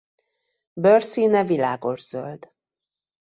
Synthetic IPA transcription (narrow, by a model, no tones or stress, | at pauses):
børsiːnɛvilaːɡo̞ʒz̥ø̰ld̪